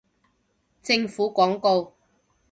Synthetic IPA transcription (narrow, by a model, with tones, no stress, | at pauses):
t͡sɪ˧ŋfuː˨˥kʷɔː˨˥ŋko˧w